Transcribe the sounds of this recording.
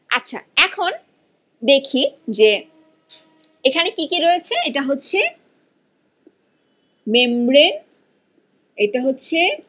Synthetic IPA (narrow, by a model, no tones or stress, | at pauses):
a̰tːɕʰa̰ɛkʰon | d̪ekʰid͡ʑe | ekʰanekikiɾoet͡ɕʰeeʈaɦotːɕʰe | membɾen | eʈaɦotːɕʰe